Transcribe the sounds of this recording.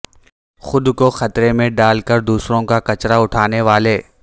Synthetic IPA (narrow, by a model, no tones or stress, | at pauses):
xʊd̪koxɐt̪ɾemẽɖaːlkəɾd̪uːsɾõkakɐt͡ʃɾaʊʈʰaːneʋaːleː